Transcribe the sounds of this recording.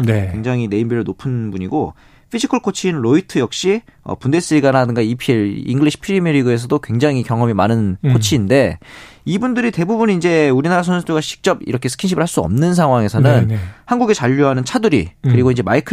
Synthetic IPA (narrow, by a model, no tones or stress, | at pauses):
newe̞ŋd͡ʑaŋine̞imbiɾoɭnopʰɯnbuɲiɡo | pʰid͡ʑʰikʰɯɭkʰot͡ɕʰiːnɾoitʰɯjʌk̚ɕ͈iʌ̰punde̞s͈ɯɾiɡanɦadɯŋɡaipʰieɭḭŋɡɯɭiɕʰi̥pʰiɾimiɾiɡɯe̞s̬ʰʌdokwe̞ŋd͡ʑaŋikjʌŋʌmimanɯnkʰot͡ɕʰiːnde̞ibundɯɾite̞bubunind͡ʑe̞uɾinaɾas̬ʰʌnsʰuduɡaɕʰi̥k̚t͡ɕ͈ʌbḭɾʌkʰesʰɯ̥kʰinɕʰibɯɭhaɭs͈uʌ̰mnɯns̬ʰaŋwaŋe̞sʰʌnɯnhanɡuɡe̞t͡ɕaʎːuɦanɯnt͡ɕʰadɯɾḭkɯɾiɡoind͡ʑemaikʰ